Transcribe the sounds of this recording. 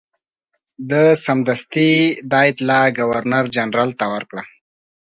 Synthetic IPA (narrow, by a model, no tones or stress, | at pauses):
d̪əsamd̪ast̪id̪ɑet̪laɡawaɾnaɾd͡ʒanɾalt̪awaɾkɽa